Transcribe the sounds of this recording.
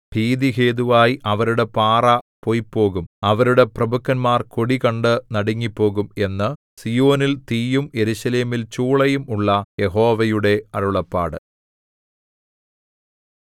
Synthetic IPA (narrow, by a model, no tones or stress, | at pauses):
bʱiːd̪iɦe̞ːd̪uʋaːjiʔɐʋɐɾuɽe̞paːrɐpo̞jpːo̞ːɣumɐʋɐɾuɽe̞prɐbukːɐnmaːrko̞ɽikɐɳɖɨnɐɽɐŋːipːo̞ːɣume̞nːɨ | sijo̞ːnilt̪iːjumje̞ɾuɕɐle̞ːmilt͡ɕuːɭɐjumuɭːɐje̞ɦo̞ːʋɐjuɽe̞ɐɾuɭɐpːa̰ːɽɨ̰